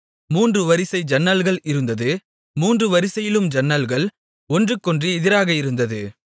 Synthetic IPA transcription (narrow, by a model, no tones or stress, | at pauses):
muːndrɯʋɐɾɪsɐɪd͡ʒɐnːɐlɣɐɭɪɾɯnd̪ɐðɯ | muːndrɯʋɐɾɪsɐjɪlɯmd͡ʒɐnːɐlɣɐɭ | ɔndrɯkːɔndrɯɛðɪɾaːɣɐɪɾɯnd̪ɐðɯ